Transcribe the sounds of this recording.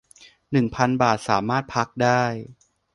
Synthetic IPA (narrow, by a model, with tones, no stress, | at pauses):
nɯ˨˩ŋpʰa˧nbaː˨˩t̪̚saː˩˦maː˥˩t̪̚pʰa˦˥k̚daː˥˩j